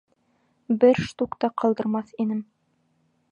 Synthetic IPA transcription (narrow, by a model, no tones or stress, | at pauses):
bɘɾʃt̪ukt̪ɑqʰɑlˠd̪ɤ̆ɾmɑθinɘm